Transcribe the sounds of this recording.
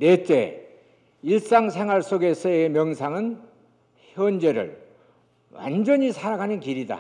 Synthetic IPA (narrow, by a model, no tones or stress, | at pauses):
net͡ɕ͈ḛ | iɭs͈aŋsʰe̞ŋɦwaɭs͈oɡesʰʌemjʌŋsʰaŋɯn | çjʌnd͡ʑe̞ɾɯ̰ɭ | wa̰nd͡ʑʌɲisʰaɾaɡanɯnkiɾida̰